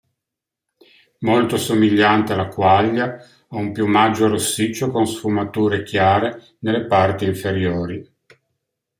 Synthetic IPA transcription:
molt̪osomiʎːant̪ealakwaʎːa | aumpjumad͡ʒːoɾosːit͡ʃːokonsfumat̪uːɾekjaːɾe | nelːepart̪iːɱfeɾjoːɾi

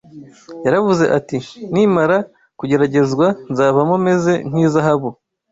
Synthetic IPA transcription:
jaɾavuze̞ʔatin̥imaɾa | kuɟe̞ɾaɟe̞zɡwanzaːβamome̞ze̞n̥iːzaɦaβu

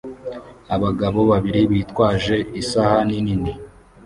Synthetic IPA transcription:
aβaɡaβo̞βaβiɾiβiːtkwaːʒe̞ʔisahaninini

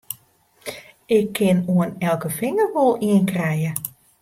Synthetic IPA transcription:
ɪkʰːɪnuənɛlˠkəfɪŋərʋolˠiənkrɛjə

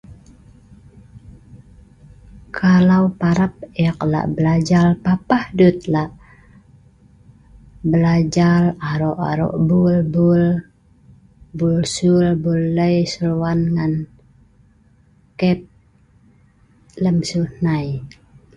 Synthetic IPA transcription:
kʰalaupaɾap̚eakla̰ʔbəlad͡ʒalpapahdut̪̚laʔ | bəlad͡ʒalaɾɔʔaɾɔ̰ʔbulbul | bulsulbuləjsəluwanŋan | kɛp̚ | ləmsunaj

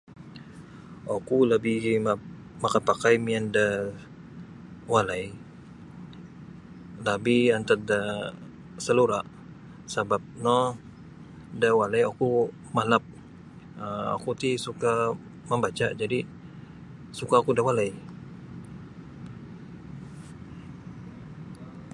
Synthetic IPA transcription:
akuləbi | makapakajmianda | walaj | labihant̪at̪̚da | səluɾa | sabap̚nɔ | dawalajaku | malap̚ | əa̰kut̪isuka | məmbat͡ʃad͡ʒadi | sukaːkudawalaj

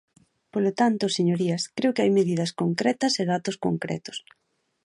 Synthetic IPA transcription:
polot̪ant̪ʊseɲoɾiɐskɾeʊkɪajmeðið̞ɐskoŋkɾɛt̪ɐseðat̪ʊsko̰ŋkɾɛ̰t̪ʊ̥s

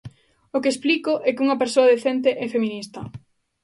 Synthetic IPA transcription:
okesplikoʔɛkɪuŋɐpeɾsoaðeθent̪eʔɛfeminist̪ɐ

